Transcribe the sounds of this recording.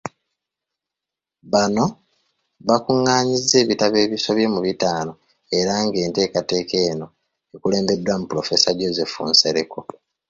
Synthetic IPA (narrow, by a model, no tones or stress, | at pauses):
βano̞ | βakuŋːaːɲizːe̞ːβitaβe̞ːβiso̞βje̞muβitaːno̞ | e̞ɾaŋɡe̞ːnte̞ːkate̞ːke̞ːno̞ | ekule̞ːmbe̞dːwamupulo̞fe̞saɟo̞ze̞fṵnseɾe̞ko̞